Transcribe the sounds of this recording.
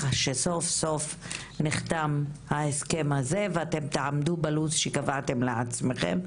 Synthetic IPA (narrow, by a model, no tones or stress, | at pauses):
aʃeso̞fso̞f | niχt̪amhaeske̞mhaze̞veat̪e̞mt̪eʕamd̪ubalut͡sʃekavat̪emlea̰t͡sme̞χe̞̰m